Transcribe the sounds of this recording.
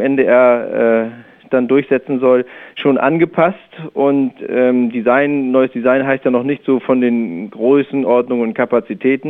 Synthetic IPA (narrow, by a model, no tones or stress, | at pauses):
mʔɛndeːʔɛɐʔɛː | d̥andʊɐçz̥ɛt͡sn̩zɔlʃoːnʔa̰nɡəpʰastʔʊntʔɛːmdizaɪnnɔʏəsd̥izaɪnɦaɪstjanɔχnɪçtz̥oːfɔndeːnɡ̥ʁøːsn̩ʔɔɐdnʊŋnʊnt̚kʰapat͡sitʰɛːtn̩